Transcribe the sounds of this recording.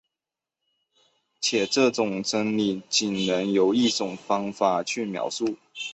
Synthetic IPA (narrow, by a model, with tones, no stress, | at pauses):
t͡ɕʰjɛ˨˩ʈ͡ʂɤ˥˨ʈ͡ʂʊ˨˩ŋʈ͡ʂə˥nli˨˩t͡ɕi˨˩nnə˧˥ŋjo˧˥ʊi˥˩ʈ͡ʂʊ˨˩ŋfɑ˥ŋfa˨˩t͡ɕʰy˥˩mjɑ̰˨˥ʊsu˥˩